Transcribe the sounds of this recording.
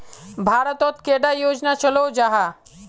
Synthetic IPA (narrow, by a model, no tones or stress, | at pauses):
bʱaːɾət̪ɔt̪keːɖajoːd͡ʒnat͡ʃəlod͡ʒaɦa